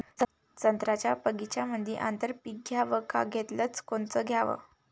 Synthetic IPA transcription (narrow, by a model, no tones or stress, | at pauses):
t͡sənt̪ɾat͡ɕjapəɡit͡ɕjaməd̪ʱjiʔant̪əɾpik̚ɡʱjaʋəka̰ɡʱet̪lət͡skoɳt͡səɡʱjaʋə̰